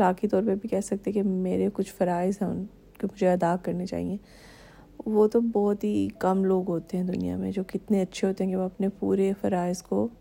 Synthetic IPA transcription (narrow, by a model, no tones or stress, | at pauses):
laːkit̪ɔːɾpɐɾbʱikɛɦsɐk̚t̪ekemeːɾekʊt͡ʃʰfɐɾaːɪzɦɐ | kemʊd͡ʒʱeɐd̪aːkɐɾnet͡ʃa̰ːɦḭẽː | ʋoːt̪obɔːt̪ɦikɐmloːɡɦoːt̪eɦɛ̃d̪ʊnḭja̰mḛ̃d͡ʒoːkɪt̪neɐtːʃʰeɦoːt̪eɦɛ̃keʋoɐpnepuːɾefɐɾaːɪzko